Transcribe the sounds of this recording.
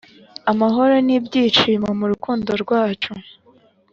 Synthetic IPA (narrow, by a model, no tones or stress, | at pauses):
amaɦo̞ɾonibɟiːt͡ʃiːmamuɾukuːndo̞ɾɡwaːt͡ʃu